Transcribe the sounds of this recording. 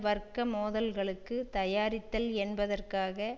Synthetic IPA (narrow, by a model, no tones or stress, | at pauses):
ʋɐrkːɐmoːðɐlɣɐɭɯkːɯt̪ɐjaːɾɪt̪ːɐlɛnbɐðɐrkaːɣɐ